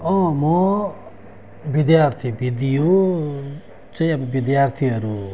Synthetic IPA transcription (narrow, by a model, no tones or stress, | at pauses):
ʌ̃mɔ | bid̪jaɾt̪ʰibid̪ijo | t͡sʌ̃ĩabbid̪jaɾt̪ʰiɦʌɾu